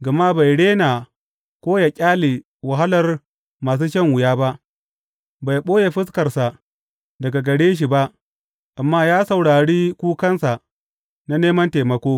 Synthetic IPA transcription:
ɡɐ˨ma˦ba˨jɽeː˦naː˨ | kʷoː˦ja˨kʲʼaː˦leː˨ | wɐ˨ɦa˦lɐ˨r | maː˨s̬uː˦ʃɐ˦ŋwʊ˨jaː˦ba˦ʔ | ba˨jɓoː˦je˨ɸɪ˦skɐ˨rsa˨ | dɐ˨ɡa˨ɡɐ˨ɽeː˦ʃ̬i˨ba˦ʔ | ʔa˨mːaː˦jaː˦sɐ˨wɽaː˨ɽiː˦kʷuː˦kɐ˦nsa˨ | na˦neː˦mɐ˦nteː˨mɐ˦kʷoː˦

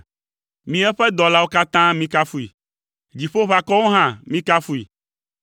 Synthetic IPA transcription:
mĩ˦ɛ˦ɸɛ˦d̪ɔ˨la˦wo˦ka˦t̪ã˦mĩ˦ka˦fu˦i˨ | d͡ʑi˨ɸo˦βa˨kɔ˦wo˦ɦã˦mĩ˦ka˦fu˦i˨

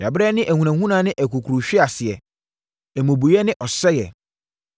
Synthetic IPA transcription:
a˨bɾɛ˦nɪ̃˦ʔæ˨hũ˨nã˨hũ˦nãː˨˦nɪ̃˦ʔæ˨kʰu˨kʰɾu˨ɕᶣɪ˦a˨sɪ˨ɛ˨ | ɛ˨mõ˨bu˨jɛ˦nɪ̃˦ʔɔ˨sɛ˦jɛ̰˨

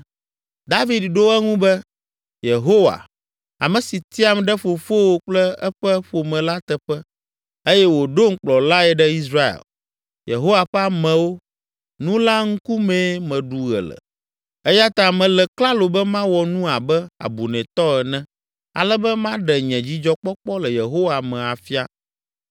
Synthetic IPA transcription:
d̪a˦vi˨d̪ɖo˦ɛ˦ŋũ˦bɛ˦ | je˨ɦo˦wa̰˨ | a̰˨mɛ̃˨si˨t̪i˦a˨m˨ɖɛ˦ɸo˨fo˦wo˦k͡plɛ˦ɛ̰˦ɸɛ˦ɸo˨mɛ̃˨la˦t̪ɛ˨ɸɛ˦ | e˦jɛ˦wo˨ɖo˦ŋ̩˦k͡plɔ˨la˦ɛ˨ɖɛ˦i˦sɾa˦ḛ˨l | jḛ˨ɦo˦wa˨ɸɛ˦a˦mɛ̃˨wo˦ | nũ˦la˦ŋ̩˦ku˦mɛ̃˦mɛ̃˨ɖu˨ɣɛ̰˨lə̰˨ | ɛ˦ja˦t̪a˨mɛ̃˨lɛ˨kla˦lo˨bɛ˦mã˦wɔ˨nũ˦a˨bɛ˦a̰˨bu˨nɛ̃˨t̪ɔ˦ɛ˨nɛ̃˦ | a̰˨lɛ˦bɛ˦mã˦ɖɛ˨ɲɛ̃˨d͡ʑi˦d͡ʒɔ˦k͡pɔ˦k͡pɔ˦lɛ˨je˨ɦo˦wa˨mɛ̃˨a˨fi˦a˦

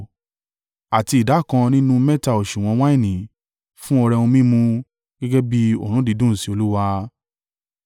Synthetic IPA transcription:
a˨ti˧˨da˨˦˨kã˧nĩ˦nũ˦mɛ˦ta˦˨o˨ʃũ˨w̃ɔ̃˨˧w̃ã˦ĩ˦˨nĩ˨ | fũ˦ɔ˧ɾɛ˧ũ˧mĩ˦mũ˧ | ɡ̥ɛ˦ɡɛ˦bi˦o̰˦˨ɾ̃ũ˨˦di˧˦dũ˦˨si˨˦o˧lu˦wa˧

